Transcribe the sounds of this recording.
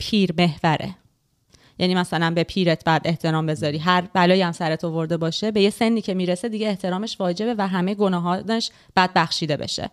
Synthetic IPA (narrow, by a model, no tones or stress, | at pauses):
pʰiːɾme̞hvæɾʔe̞̰ | jæniːmæsælænbe̞pʰiːɾet̪ʰb̥ɒjæd̪e̞ht̪ʰe̞ɾɒːmbe̞zɒːɾiːɦæɾbælɒːjæmsæɾet̪ʰovo̞ɾd̪e̞bɒːʃebe̞jese̞nːiːcʰe̞miːɾese̞d̪iɟeːht̪ʰe̞ɾɒːme̞ʃvɒːd͡ʒe̞be̞væɦæmejeɡo̞nɒːɦɒːeʃ | b̥æd̪̚bæxʃiːd̪e̞bḛʃḛ